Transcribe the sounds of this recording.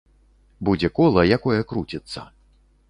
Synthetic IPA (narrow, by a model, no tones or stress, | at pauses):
bud͡zʲɛkɔlˠɐjakɔjɐkɾut͡sʲɛt̪sːɐ̰